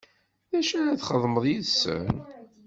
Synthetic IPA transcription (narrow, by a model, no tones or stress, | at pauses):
ðæʃæɾæθχəðˤməðˤjiðsːə̰n